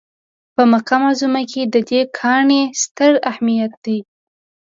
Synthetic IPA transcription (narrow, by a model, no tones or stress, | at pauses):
pəmaqɑmazumakʰed̪əd̪ekʰɑɳest̪əɾahmijat̪̚d̪̥aj